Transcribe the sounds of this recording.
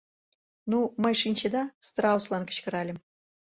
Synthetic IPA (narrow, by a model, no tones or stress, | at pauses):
numə̆jʂinʲt͡ɕed̪ɑst̪rɑuslˠɑnkə̥̆ɕkə̆ɾɑlʲɘ̆m